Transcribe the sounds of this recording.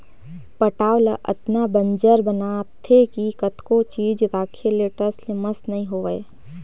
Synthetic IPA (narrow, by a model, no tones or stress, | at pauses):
pəʈaːwləʔə̰t̪nabə̃nd͡ʒəɾbənat̪ʰːekikət̪kot͡ʃiːd͡ʒɾaːkʰeleːʈəɾsleməsnɐɦĩɦoːe